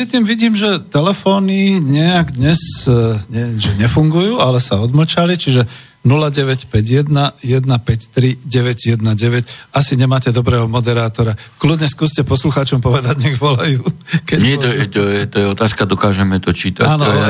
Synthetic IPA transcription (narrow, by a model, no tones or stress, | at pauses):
ɾit̪iːmʋiɟiːmʒɛt̪ɛlɛfɔːniɲɛaɡd̪ɲɛsɲɛʒɛɲɛfuŋɡujuːalɛsaɔd̪ml̩t͡ʃalit͡ʃiʒɛ | nulaɟɛʋɛcpɛɟjɛd̪najɛd̪napɛct̪ɾiɟɛʋɛɟjɛd̪naɟɛʋɛcasiɲɛmaːcɛd̪ɔbɾɛːɦɔmɔd̪ɛɾaːt̪ɔɾaklud̪ɲɛskuːscɛpɔsluxaːt͡ʃɔmpɔʋɛd̪aɟɲɛɡʋɔlajuːkɛɲɪɛt̪ɔjɛt̪ɔjɛt̪ɔjɛɔt̪aːskad̪ɔkaːʒɛmɛt̪ɔt͡ʃiːt̪a̰aːnɔ